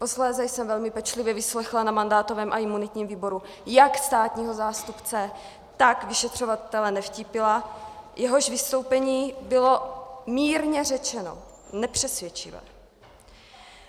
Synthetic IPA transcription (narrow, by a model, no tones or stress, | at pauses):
po̞slɛːzɛjsɛmvɛlmɪpɛt͡ʃlɪvjɛvɪslɛxlanamandaːt̪o̞vɛːmʔaʔɪmunɪt̪ɲiːmviːbo̞ɾu | jakst̪aːt̪ɲiːɦo̞zaːst̪upt͡sɛ | t̪akvɪʃɛt̪r̝̥o̞vat̪ɛlɛnɛfcipɪlajʔɛɦo̞ʃvɪst̪o̞wpɛɲiːbɪlo̞miːɾɲɛrɛt͡ʃɛno̞̰ | nɛpr̝̥ɛsvjɛt͡ʃɪ̰vɛ̰